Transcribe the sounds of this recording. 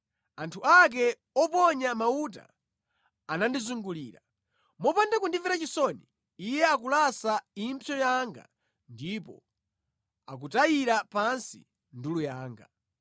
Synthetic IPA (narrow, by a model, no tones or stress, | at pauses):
antʰuak̬ɛ | ɔpɔɲamaut̬a̰ː | nandizuŋɡuliːɾa | mɔpandakundivɛɾat͡ʃisɔni | ijɛak̬ulasaimpʰjɔjaŋɡa̰ | ndipɔ̰ | a̰k̬utajiɾapansḭ | ndulujaːŋɡa